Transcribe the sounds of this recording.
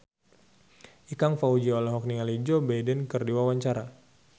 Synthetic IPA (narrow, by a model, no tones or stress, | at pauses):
ʔikaŋfaud͡ʒiɔlaɦɔk̚niŋalid͡ʒɔbajdɛnkərdiwawaɲt͡ʃaɾa